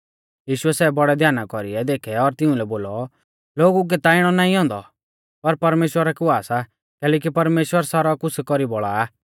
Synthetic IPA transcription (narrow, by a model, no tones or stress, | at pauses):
jiːʃuɛsɛːbɔɽɛd̪ʱjaːnakɔɾiɛd̪eːkʰɛɔːɾt̪ɪʊ̃lɛboːlɔ | loːɡuk̬ɛt̪aɪɽ̃ɔnaːĩɦɔ̃nd̪ɔ̰ | pɐɾpɐɾmeːʃwəɾakʊaːsa | kɛːlɛːk̬ipɐɾmeːʃwəɾsaːɾakʊsʰɛkɔɾibɔɭaː